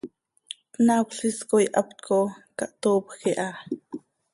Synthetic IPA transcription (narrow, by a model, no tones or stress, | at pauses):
pnakɬiskojʔɑ̰p̚t̪kʰokɑʔt̪oːpxiʔɑ